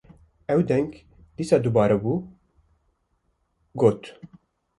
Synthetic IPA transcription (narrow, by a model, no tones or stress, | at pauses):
ɛwd̪ɛŋɡ | d̪iːsɑːd̪ubɑːɾɛbuː | ɡoːt̪